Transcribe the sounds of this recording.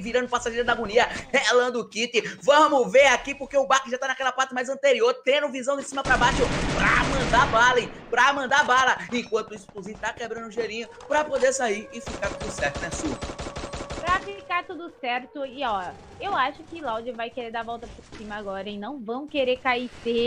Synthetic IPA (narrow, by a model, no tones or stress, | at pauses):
viɾɐ̃nd̪ʊpasaʒeɾɐd̪ɐɡõniɐhelɐ̃d̪ʊʊkit̪ɪvɐ̃mʊveɾakipoɾkeʊbakɪʒat̪anakɛlɐpat̪ɐmajzɐ̃nt̪eɾioɾt̪ẽɾʊ̃vizɐ̃w̃d̪ɪsĩmɐpɾabaʃʊpɾɐ̰mɐ̃nd̪abalɐẽpɾɐmɐ̃nd̪abalɐẽkwɐ̃nt̪ʊisʊkuzĩɲt̪akebɾɐ̃nd̪ʊʒeɾĩɲʊ | pɾɐpod̪eɾsaiɾɪfikaɾt̪ud̪ʊsɛɾt̪ʊnɛsu | pɾɐfikaɾt̪ud̪ʊsɛɾt̪ʊɪɔ | ewaʃʊkɪlawd͡ʒɪvajkeɾeɾd̪avɔwt̪ɐpɾʊɾsĩmɐaɡɔɾɐẽnɐ̃w̃vɐ̃w̃keɾekaise